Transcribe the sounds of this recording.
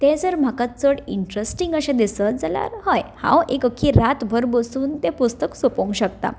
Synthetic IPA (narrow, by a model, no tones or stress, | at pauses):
t̪ẽd͡zəɾm̤akat͡səɽiɳʈɾesʈiŋɡəɕãd̪isəd͡zala̰ɾɦəjhã̰wekəkʰːiɾat̪bʱəɾbəsuːnt̪ɛpust̪əksopõŋɡɕək̚t̪a̰